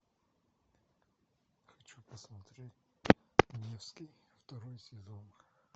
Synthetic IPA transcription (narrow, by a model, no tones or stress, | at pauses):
xɐt͡ʃupɐsmɐt̪ɾʲetʲ | nʲefskʲijft̪ɐɾɔjʊsvʲɪzɔn